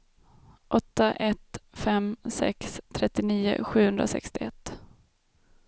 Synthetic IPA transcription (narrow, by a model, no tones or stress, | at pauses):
ʔɔt̪ːaʔɛt̪fɛmsɛ̰kst̪ʰɾɛt̪ːɪniːʊ̰ɧʉ̟ːhɵnd̪ɾasɛ̰kst̪ɪɛt̪ː